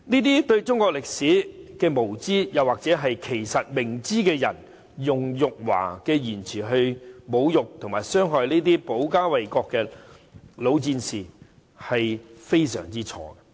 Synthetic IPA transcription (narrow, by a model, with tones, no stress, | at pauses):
niː˥t̪̬iː˥t̪ɵ˧ɥt͡sʊ˥ŋkɔː˧k̚lɪ˨k̚siː˨˥kɛː˧mo˨˩wt͡siː˥jɐ˨˩waː˨˩k̚t͡sɛː˨˥ɦɐ˨jkʰe˨˩jsɐ˨t̚mɪ˨˩ŋt͡siː˥kɛː˧jɐ̰˨˩n | jʊ˨ŋjʊ˨k̚wa̰ː˨˩kɛː˧jiː˨˩nt͡sʰiː˨˩ɦɵ˧ɥmo˨˧wjʊ˨k̚t̪ʰʊ˨ŋmaː˨˩jsœː˥ŋɦɔː˨jniː˥t̪̬iː˥po˨˥wkaː˥wɐ˨jkɔː˧kːɛː˧ | lo˨˧wt͡siː˧nsiː˨˩ | hɐ˨jfe˥jsœ̰ː˨˩ŋt͡siː˥t͡ʃʰɔ̰ː˧ɡ